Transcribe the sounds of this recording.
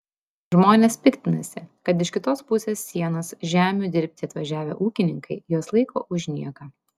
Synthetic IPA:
ʒmoːnʲeːspʲɪkʲt̪ʲɪnɐsʲɪkɐt̪̬ɪʃʲkʲɪt̪oːspʊsʲeːsːʲiɛnɐsʒʲæːmʲud̪ʲɪɾʲpʲt̪ʲɪɐt̪ʋɐʒʲæːʋʲḛʔuːkʲɪnʲɪŋkɐɪjoːslˠɐɪkʰo̰ːʔʊʒʲnʲiɛkɐ

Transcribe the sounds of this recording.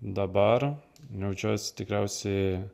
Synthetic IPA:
d̪ɐbɐɾ | nʲɛʊd͡ʒʲoːsʲt̪ʲɪkɾʲɛʊsʲɛɪ

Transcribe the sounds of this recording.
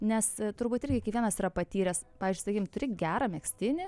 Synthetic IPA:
nʲɛst̪ʊɾbuːt̪ʲɪɾʲɡʲɪkʲɛkʋʲiɛnɐsiɾɐpɐt̪ʲiːɾʲɛspɑːʋʲɪzd͡ʒʲɪsɐkiːkʲɪmt̪ʊɾʲɪɡʲæːɾɐmʲɛksʲt̪ʲɪnʲɪ

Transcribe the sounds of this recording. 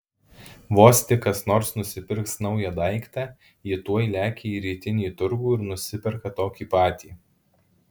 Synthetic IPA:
ʋoːsʲt̪ʲɪkɐsnoːɾsnʊsʲɪpʲɪɾksnɒʊjɛd̪ɐɪkt̪ɑ | ɪt̪uɔjlʲæːkʲeːiːɾʲiːt̪ʲɪnʲiːt̪ʊɾɡuːɪɾnʊsʲɪpʲɛɾkɐt̪oːkʲiːpɑːt̪ʲiː

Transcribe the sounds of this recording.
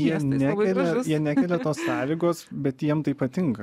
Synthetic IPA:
jiɛnʲækʲɛlʲɛjiɛnʲækʲɛlʲɛt̪oːssɑːlʲiːɡoːsbʲɛt̪jiɛmt̪ɐɪpɐt̪ʲɪŋkɐ

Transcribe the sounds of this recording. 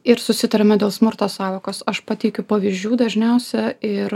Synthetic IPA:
ɪɾsʊsʲɪt̪ɐɾʲɛmʲɛd̪ʲeːlˠsmʊɾt̪oːsɑːʋoːkoːsɐʃpɐt̪ʲɛɪkʲʊpɐʋʲɪzʲd͡ʒʲuːd̪ɐʒʲnʲɛʊsʲɛɪɾ

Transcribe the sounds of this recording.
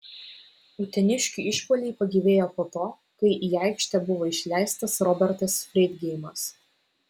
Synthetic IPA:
ʊt̪ʲɛnʲɪʃʲkʲiˑɪʃpoːlʲɛɪpɐɡʲiʋʲeːjoːpoːt̪oː | kɐɪʔiːɛɪkʃʲt̪ʲɛbʊʋoːɪʃʲlʲæˑɪst̪ɐsɾɔbʲɛɾʲt̪ɐsfʲɾʲɛɪd̪ʲɡʲɛɪmɐs

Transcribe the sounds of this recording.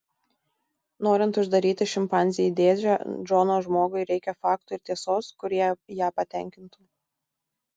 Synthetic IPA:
noːɾʲɪnt̪ʊʒd̪ɐɾʲiːt̪ʲɪʃʲɪmpɑˑnʲzʲɪjɛd̪ʲeːd͡ʒʲɛd͡ʒonoːʒmoːɡʊɪɾʲɛɪkʲɛfɑːkt̪uɪɾt̪ʲiɛsoːskʊɾʲiɛjæːpɐt̪ʲɛˑŋʲkʲɪnt̪uː

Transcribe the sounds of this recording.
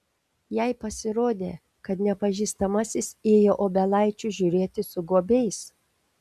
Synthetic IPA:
jɛɪpɐsʲɪɾoːd̪ʲḛː | kɐt̪nʲɛpɐʒʲiːst̪ɐmɐsʲɪseːjoːʔoːbʲɛlˠɐɪt͡ʃʲʊʒʲuːɾʲeːt̪ʲɪsʊɡoːbʲɛɪs

